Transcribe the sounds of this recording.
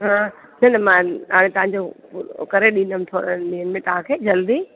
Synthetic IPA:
ɦã | nɐnɐmãɦaːɽ̃ẽt̪ɐʋ̤ãɲd͡ʑopkɐɾeɗĩːnd̪əm̃t̪ʰoːɾənɗ̪iənmẽt̪ɐʋ̤ãkʰeːd͡ʑɐld̪i

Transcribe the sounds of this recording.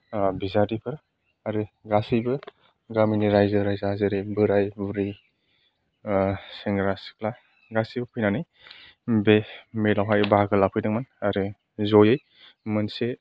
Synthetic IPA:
bizadipʰɯɾ | aɾɯɡasibɯ | ɡaminiɾajzɯɾajzazɯɾebɯɾajbuɾi | seŋɡɾasi̥kla | ɡasibɯpʰɯjnanɯj | bemelawɦajbaɡɯlapʰɯjdɯŋmanaɾɯ | zɔjɯj | mɯnse

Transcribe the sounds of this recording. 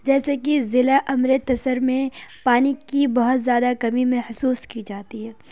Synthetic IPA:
d͡ʒɛːsekizɪlaʔɐmɾet̪ɐsəɾmẽpaːnikibɐɦʊt̪zjaːd̪akɐmimẽhʊsuːskid͡ʒaːt̪iɦɛː

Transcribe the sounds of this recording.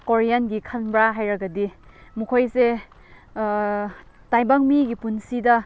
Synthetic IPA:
koɾijanɡikʰɐnbɾaɦajɾɐɡɐdimukʰojse | tajbaŋmiɡipunsidɐ

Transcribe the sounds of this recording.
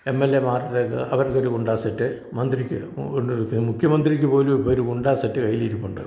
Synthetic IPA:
e̞mːelːe̞maːrðekːɐʋɐɾkːoɾukuɳɖaːsɐʈːɨ | mɐnd̪rikʲːɨ | oɳɖmukʰjɐmɐnd̪rikʲːɨpo̞ːluoɾukuɳɖaːsɐʈːɨkɐjiliiɾupːuɳɖɨ

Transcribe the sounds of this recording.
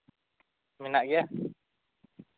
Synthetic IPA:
minaʔɡia

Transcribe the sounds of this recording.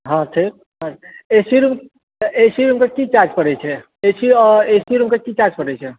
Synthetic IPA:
ɦãʈʰiːk̚ | ɦãesiɾum | esiɾumkakit͡ʃaɾd͡ʒpəɾɛt͡ʃʰɛ | esiesiɾumkakit͡ʃaɾd͡ʒpəɾɛt͡ʃʰɛ

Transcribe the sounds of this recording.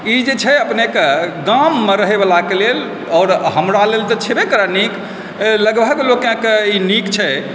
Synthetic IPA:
id͡ʒet͡ʃʰɛəpnekeɡamːeɾəɦebəlakelel | ɔːɾɦəmɾalelt̪ɔt͡ʃʰebekəɾanik | ləɡbʱəɡlokẽkeinikt͡ʃʰɛ

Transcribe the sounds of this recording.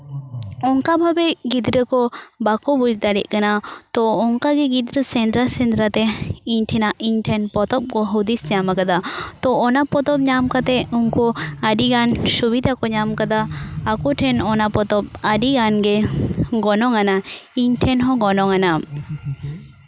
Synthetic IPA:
ɔŋkabʱabɛɡid̪ɾəkɔbakɔbud͡ʒd̪aɽḭʔ̚ˀkanat̪ɔɔŋkaɡɛɡid̪ɾəsɛnd̪ɾasɛnd̪ɾat̪ɛiɲʈʰɛnaʔiɲʈʰɛnpɔt̪ɔp̚kɔɦɔd̪isɲamakad̪at̪ɔɔnapɔt̪ɔp̚ɲamkat̪ɛuŋkɔaɖiɡansubid̪ʱakɔɲamkad̪aːkɔʈʰɛnɔnapɔt̪ɔp̚aɖiɡanɡɛɡɔnɔŋanaiɲʈʰɛnɦɔ̃ɡɔnɔŋana

